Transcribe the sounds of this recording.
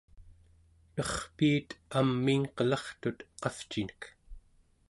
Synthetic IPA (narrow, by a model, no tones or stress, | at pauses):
nʌχpiːt̪amːiŋqəlɑχt̪ut̪qɑft͡ʃinə̥k